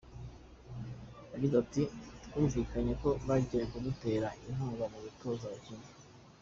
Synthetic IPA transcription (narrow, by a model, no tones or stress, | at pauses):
jaɟizatitkuːɱviːkaɲe̞ko̞βaɟijekuɡute̞ːɾaʔinɦaːŋɡamuβito̞zacini